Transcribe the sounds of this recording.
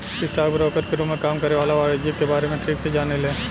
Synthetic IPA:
sɪsʈaːɾɡbɾɔːkəɾkeɾumẽkaːmkɐɾeʋaːlaʋaːɽed͡ʒikebaːɾemẽʈɾiːksed͡ʒaːnelẽː

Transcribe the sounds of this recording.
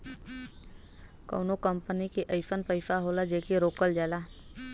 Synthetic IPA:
ko̰ːnokəmpənikiʔəɪfʰənpəɪfaɦoːlad͡ʒeːkeɾoːkəld͡ʒaːlaː

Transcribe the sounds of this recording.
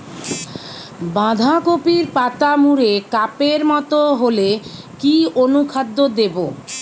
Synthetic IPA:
bãd̪ʱakopiɾpat̪amuɾekapeɾmɔt̪oɦole | kionukʰad̪ːod̪ebo

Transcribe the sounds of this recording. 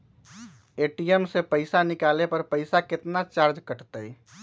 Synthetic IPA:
eʈijemsepəɪsanikalepəɾpəɪsaket̪nat͡ʃaɾd͡ʒkəʈt̪əj

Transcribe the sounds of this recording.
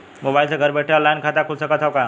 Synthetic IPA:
mobailsẽɡʱəɾbeʈʰeəlːainkʰat̪akʰulsəkət̪ʰɦawka

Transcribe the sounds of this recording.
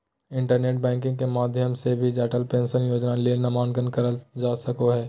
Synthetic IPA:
ɪ̃ɳʈəɾneːʈ̚bɛ̃ːŋk̬ɪ̃ŋɡ̚kemaːd̪ʱjəmsebʱid͡ʒɛːʈəlpẽːnsənjoːd͡ʒnalienɐmaːnɡənkəɾəd͡ʒaːsəkoɦɛː

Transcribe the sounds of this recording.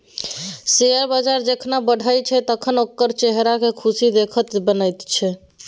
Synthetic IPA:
seəɾbəd͡ʒaɾd͡ʒekʰnabəɽ̤ʱəjt͡ʃʰɛt̪əkʰənokːəɾt͡ʃeɦɾakekʰusid̪ekʰət̪bənəjt̪t͡ʃʰɛ

